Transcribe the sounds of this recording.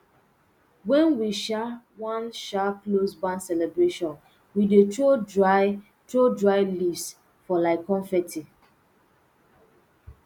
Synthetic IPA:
wɛ̃nwiʃa | wãnʃaklosbãnsɛlɛbɹeʃɔ̃n | wideto | todɹaɪlis | fɔlaɪkɔ̃nfɛtʰi

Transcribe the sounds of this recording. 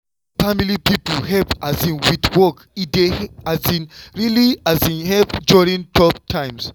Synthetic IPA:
familipipəlhɛpʔazĩnwitwɔk | ideazĩnɹiliazĩnhɛpduɹĩŋtʰɔp̚tʰãɪ̃ms

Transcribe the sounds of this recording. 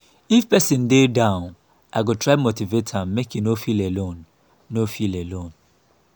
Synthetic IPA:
ifpɛsĩndedãʊ̃n | ʔaɪɡotʰɹaɪmotivetʰãmmekjunofilelõnː | ofilelõn

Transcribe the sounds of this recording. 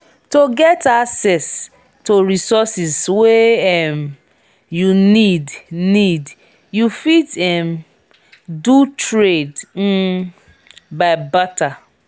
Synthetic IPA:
toɡɛtaksɛs | toɹisɔsizweɛm | junidnid | jufitɛm | dutʰɹed̩ | baɪbata

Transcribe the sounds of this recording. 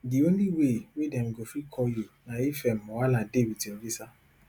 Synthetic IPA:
ɡionĩwewedɛ̃m̩ɡofikʰɔjenãjifɛmɔ̃waladewitiɔɡisa

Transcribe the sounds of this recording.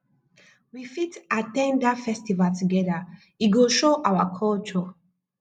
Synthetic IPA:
wifitatɛ̃ndatfɛstivaltuɡɛda | iɡoʃoʔawakʰɔlt͡ʃɔ

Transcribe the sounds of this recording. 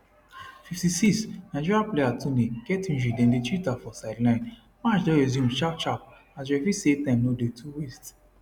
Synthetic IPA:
fiftisiksnaɪd͡ʒiɹiaplejatʰuniɡ̥ɛtĩnd͡ʒidɛ̃ndetɹitafɔsaɪdlãɪ̃n | mat͡ʃdɔ̃ɛzjũmʃapt͡ʃap̚ | as̬wɛfisetɛ̃mnodetʰuwest

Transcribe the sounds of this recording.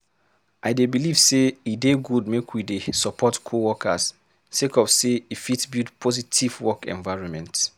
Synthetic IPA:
ʔaɪdebiliv̥seideɡudmekʰwidesɔpʰɔtkʰowɔkʰas | sekɔfseifitsbildpʰɔzitʰivwɔkɛ̰̃nvaɪɹɔ̃nmɛ̃nt

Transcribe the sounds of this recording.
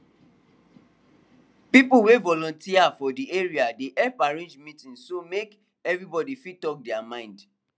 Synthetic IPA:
pipuwevɔlɔ̃ntiafɔdieɹiadeʔɛpaɹẽnd͡ʒmĩtĩnsomek | ɛvɹibɔdifitɔk̚dɛamãɪ̃nd

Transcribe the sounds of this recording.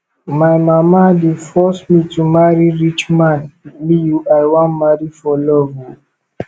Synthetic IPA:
maɪmamadefɔsmitumaɹiɹit͡ʃmãnmijuʔajwãnmaɹifɔlɔvɔ

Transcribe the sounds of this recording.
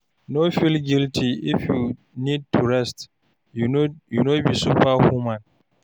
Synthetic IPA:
nofilɡiltʰiifju | nid̚tʰuɹɛst | junobisuɸahumãn

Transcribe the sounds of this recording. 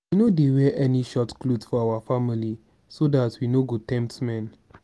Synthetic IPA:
winodewɛʔɛniʃɔtkludfɔawafamili | sodatwinoɡotɛ̃mp̚tmɛ̃n

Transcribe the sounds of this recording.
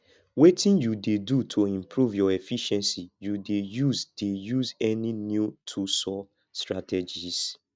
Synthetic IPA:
wetĩnjudedutʰoĩmpɾuvjɔefiʃɛ̃nsijudejuzdejuzɛninjutʰusɔ | stɹatɛd͡ʒis

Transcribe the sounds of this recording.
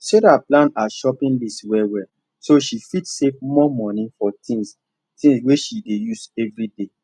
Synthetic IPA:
seɾaplãnaʃɔpĩnliswɛwɛ | soʃifitsevmɔmɔ̃nĩfɔtĩŋs | tĩŋsweʃidejusɛvɹide

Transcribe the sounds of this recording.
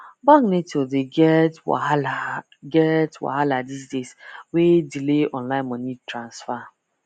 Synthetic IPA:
baŋɡnetodel | ɡɛtwa̰haladisdeswedileɔ̰̃nlãɪ̃nmɔnitɾãnsfa

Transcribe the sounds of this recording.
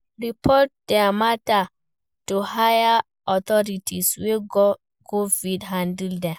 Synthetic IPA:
ɾipʰɔt̚dɛamata | tuhaja | ʔɔt̪ɔɾitʰisweɡɔ | kovidɦãndildɛ

